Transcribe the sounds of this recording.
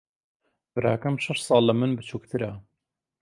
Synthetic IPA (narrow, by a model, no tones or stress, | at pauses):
bɨɾa̰ːkɐmʃɐʃt̪sˤɑːlːɐmɨnbɨt͡ʃʰuːk̚t̪ʰɨɾɐ